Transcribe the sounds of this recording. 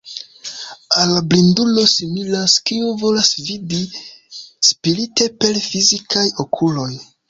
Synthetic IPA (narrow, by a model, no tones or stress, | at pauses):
alːablindulo̞similaskiuvo̞lasvidi | spiɾite̞pe̞lfizikajokʰulo̞j